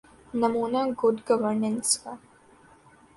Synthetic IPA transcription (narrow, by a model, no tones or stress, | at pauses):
nɐmuːnaɡʊɖɡɐʋəɾnə̃nska